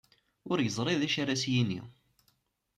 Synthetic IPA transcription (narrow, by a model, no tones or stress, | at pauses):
ʊɾjəzˤɾˤiðæʃaɾæsjinḭ